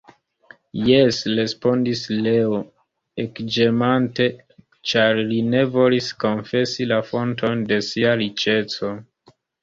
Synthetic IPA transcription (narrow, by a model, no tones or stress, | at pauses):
jesɾe̞spo̞ndisleo | ekd͡ʒemante̞ | t͡ʃaɾline̞vo̞lisko̞nfe̞silafo̞ntʰo̞nde̞siaɾit͡ʃe̞t͡so̞